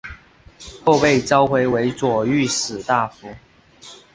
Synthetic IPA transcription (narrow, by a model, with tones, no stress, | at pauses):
xo˥˧ʊpe˥˨ɪt͡sɑ˥˦ʊxwe˧˥ɪwe˧˥ɪt͡swɔ˨˩y˥˨sɹ̩˨˩t̪a˥˩fu˨˦